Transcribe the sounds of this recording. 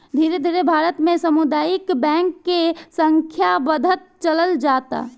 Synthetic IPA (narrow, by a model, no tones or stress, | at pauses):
d̪ʱiːɾed̪ʱiːɾebʱaːɾət̪mẽsəmud̪aːjɪkbɛ̃ːŋkːesəŋkʰjabəd̪ʱət̪̚t͡ʃələld͡ʒaːt̪a̰